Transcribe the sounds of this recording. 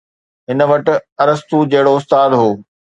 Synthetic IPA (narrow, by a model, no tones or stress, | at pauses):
ɦɪnə̆ʋɐʈɪ̆ɐɾəst̪ud͡ʑɐɦɪɽoʊst̪aːd̪ɦoː